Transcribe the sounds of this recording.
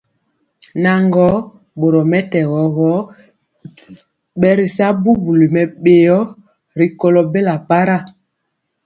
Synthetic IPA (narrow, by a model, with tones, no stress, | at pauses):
na˨ŋɡɔ˨˦ | ɓo˨ɾɔ˨mɛ˦tɛ˨ɣɔ˨ɣɔ˨˦ | ɓɛ˦ɾi˨sa˦bu˦bu˨li˨mɛ˨ɓe˨jɔ˦ | ɾi˨ko˨lɔ˨be˦la˨pa˦ɾa˦˨